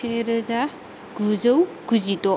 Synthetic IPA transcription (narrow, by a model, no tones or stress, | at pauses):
eɾɯza | ɡ̥uzəwɡ̥uzitɔ